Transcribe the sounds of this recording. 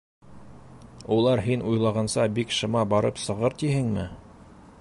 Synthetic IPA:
ulˠɑɾɦinʔujlˠɑʁɑnsɑbikʃɤ̆mɑbɑɾɤpsɤ̆ʁɤɾt̪iɦɘŋmɘ̰

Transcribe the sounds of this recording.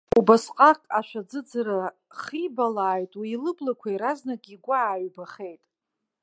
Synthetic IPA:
ubasqʼakʼaʃʷᶣad͡zɨd͡zaɾa | χibalaːjtʼwiːlɨblakʷʰaiɾaznakʼiɡʷaaːɥbaχe̞jtʼ

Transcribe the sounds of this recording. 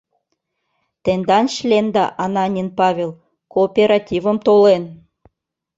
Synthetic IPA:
t̪end̪ɑnʃlʲend̪ɑʔɑnɑnʲinpɑvʲelˠ | koːpʲeɾɑtʲivə̆mt̪olen

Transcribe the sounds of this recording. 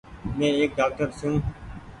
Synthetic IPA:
mɛ̃ːeːk̚ɖaːk̚ʈəɾsjũː

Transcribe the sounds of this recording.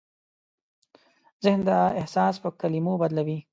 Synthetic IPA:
zɪhnd̪əɪhsɑːspəkalimobad̪lawi

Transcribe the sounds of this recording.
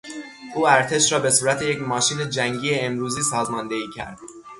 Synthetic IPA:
ʔuːæɾt̪ʰe̞ʃɾɒːbe̞suːɾæt̪ʰeje̞cmɒːʃiːne̞d͡ʒæŋɟiːjeːmɾuːziːsɒːzmɒnd̪e̞iːcʰæ̰ɾd̪̥

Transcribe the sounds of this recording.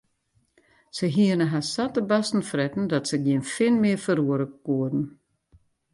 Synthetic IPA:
səɦiənəɦasatəbastn̩frɛtn̩dɔtsəɡjiənfɪnmɪəfəɾuəɾəkuədn̩

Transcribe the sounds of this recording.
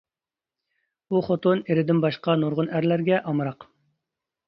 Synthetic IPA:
buχot̪oneɾɪd̪ɪnbɑʃqɑnoɾʁʊnæɾlæɾɡʲɛʔɑmɨɾɑq

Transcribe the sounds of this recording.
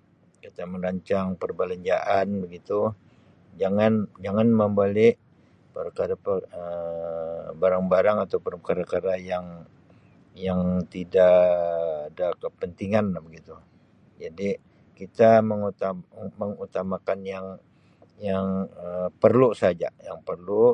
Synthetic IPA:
kit̪aməɾaɲt͡ʃaŋpərbaləɲd͡ʒaʔanbəɡit̪u | d͡ʒaŋand͡ʒaŋanməmbolɪʔ | pəɾkaɾapəə | baɾaŋbaɾaŋat̪awpərkaɾakaɾajaŋ | jaŋt̪idaʔadakəpənt̪iŋanlahbəɡit̪u | d͡ʒadi | kit̪aməŋuaməŋut̪amakanjaŋ | jaŋəpərlusad͡ʒa̰jaŋpərlu

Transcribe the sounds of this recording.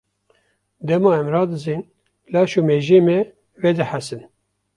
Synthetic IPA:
d̪ɛmɑːɛmɾɑːd̪ɨzin | lɑːʃuːmeːʒeːmɛ | ved̪ɨħæsɨn

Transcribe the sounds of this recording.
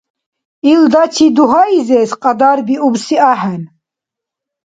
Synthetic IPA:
ild̪at͡ʃʰid̪uɦaizɛsqʼad̪aɾbiubsiaɦɛn

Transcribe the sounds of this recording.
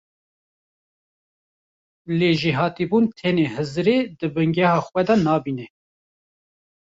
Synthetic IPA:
leːʒiɦɑːt̪ibuːnt̪ʰɛneːhɨzɾeːd̪ɨbɨŋɡɛhɑːxwɛd̪ɑnɑːbiːnɛ

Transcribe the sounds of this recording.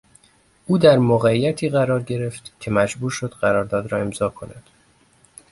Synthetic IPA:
ʔuːd̪æɾmoɣæijæt̪ʰiːɣæɾɒːɾɟe̞ɾe̞ft̪cʲʰe̞mæd͡ʒbuːɾʃo̞d̪̥ɢæɾɒːɾd̪ɒːd̪ɾɒːe̞mzɒːkʰo̞næ̰d̪̥

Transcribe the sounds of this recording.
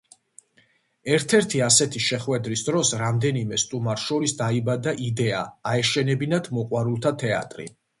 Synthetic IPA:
ɛɾt̪ʰɛɾt̪ʰiasɛt̪ʰiʃɛχwɛd̪ɾisd̪ɾɔsɾamd̪ɛnimɛst̪ʼumaɾʃɔɾisd̪aibad̪aʔid̪ɛa̰ːɛʃɛnɛbinad̪ʰmɔqʼwaɾulˠt̪ʰat̪ʰɛa̰t̪ʼɾḭ

